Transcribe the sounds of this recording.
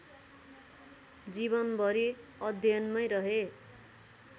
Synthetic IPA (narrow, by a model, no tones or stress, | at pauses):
d͡zibʌnbʱʌɾi | ʌd̪ʱjʌnmʌjɾʌɦe